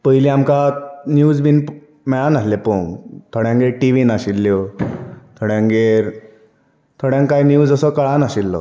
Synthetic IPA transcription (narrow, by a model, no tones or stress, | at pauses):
pəɦiliamkanjuːd͡zbinp | mɛɭanaslepoŋt̪ʰoɽjãŋɡeɾʈiʋinaɕilːjo | t̪ʰoɽjãŋɡeɾ | t̪ʰoɽjãŋkajnjuːd͡zəsɔkəɭanaɕilːɔ̰